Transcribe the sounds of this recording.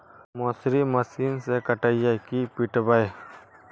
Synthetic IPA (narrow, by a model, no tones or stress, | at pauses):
moːsɾimɐsiːnsekəʈəjakipiʈbəe